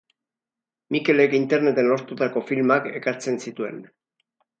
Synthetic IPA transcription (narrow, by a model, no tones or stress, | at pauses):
mike̞le̞kint̪e̞ɾne̞t̪e̞no̞ɾt̪ut̪ako̞filmake̞kaɾt͡se̞nsit̪ue̞n